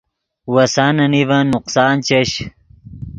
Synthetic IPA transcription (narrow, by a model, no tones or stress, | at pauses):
wɐsanɐnivɐnːʊqsaːnt͡ɕɐɕ